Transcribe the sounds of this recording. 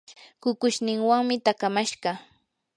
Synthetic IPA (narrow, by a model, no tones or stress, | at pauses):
kʊkʊʃnɪŋwaŋmɪt̪akamaʃɢɑ